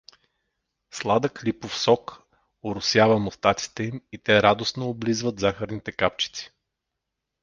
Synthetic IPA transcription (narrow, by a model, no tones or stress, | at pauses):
slˠad̪əklipofsɔk | oɾʊsjavəmost̪at̪si̥t̪ɛimit̪ɛɾad̪osnoːblizvət̪zaxəɾnit̪ɛkapt͡ʃi̥t̪si̥